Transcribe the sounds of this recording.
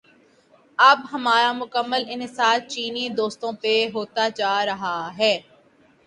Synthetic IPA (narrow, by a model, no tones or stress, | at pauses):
ɐbɦɐmaːɾamʊkəmːəlɪnsaːt̪̚t͡ʃiːnid̪oːst̪õpeɦoːt̪ad͡ʒaːɾɐɦaɦɛː